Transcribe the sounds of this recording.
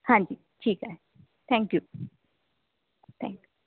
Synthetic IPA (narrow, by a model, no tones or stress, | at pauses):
hãnd͡ʒi | t͡ʃika | t̪ʰɛ̃ŋkju | t̪ʰɛ̰̃ŋkju